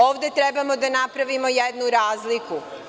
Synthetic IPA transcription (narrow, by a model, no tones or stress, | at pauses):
o̞ːʋd̪e̞t̪ɾe̞bamo̞d̪anapɾaʋimo̞jed̪nuɾaːzliku